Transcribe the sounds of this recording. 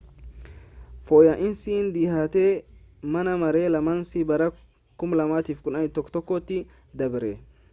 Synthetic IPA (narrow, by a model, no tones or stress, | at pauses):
fɔːjɐʔɪnsiːnd̪ihaːt̪e | mɐnɐmɐɾeːlɐmɐnsibɐɾɐ | kʊmlɐmaːt̪iːfkʊnɐnɪt̪ɔkːt̪ɔkːɔt̪ːɪ | d̪ɐbɾɛ